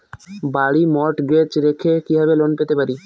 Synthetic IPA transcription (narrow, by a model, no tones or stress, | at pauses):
baɽimɔʈɡɾet͡ʃɾekʰekiɦabelonpet̪epaɾi